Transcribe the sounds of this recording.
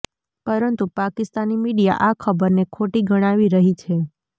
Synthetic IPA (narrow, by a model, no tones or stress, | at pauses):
pəɾənt̪upakɪst̪animiɽija̰ʔakʰəbəɾnekʰoʈiɡəɽ̃aʋiɾəɦit͡ʃʰe